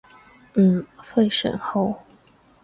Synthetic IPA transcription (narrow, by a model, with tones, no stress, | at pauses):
n̩˥˩fe˥˩ɪʂə̰˨˩nxo˥˧ʊ